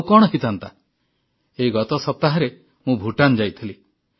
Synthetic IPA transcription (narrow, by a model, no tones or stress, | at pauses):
kɔɽ̃ɔɦit̪ʰant̪a | eiɡɔt̪ɔsɔp̚t̪aɦaɾe | mũbʱuʈand͡ʒajt̪ʰili